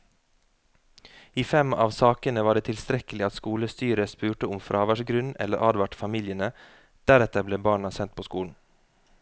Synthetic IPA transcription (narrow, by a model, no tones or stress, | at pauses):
iːfɛmɑ̰ːʋsɑːkənəʋɑːɖeːt̪ʰɪlst̪ɾɛkəlɪɑt̪skuːləst̪yːɾəspʉːʈəʊmfɾʔɑːʋæʃɡɾʉnɛ̰ləɾʔɑːd̪ʋɑʈfɑmiːljənə | d̪̥æɾɛt̪əbleːbɑːɳɑsɛnt̪̚pʰoːskuːln̩